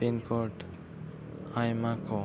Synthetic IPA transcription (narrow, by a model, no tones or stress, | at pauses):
inkoʈ | ajmakʰo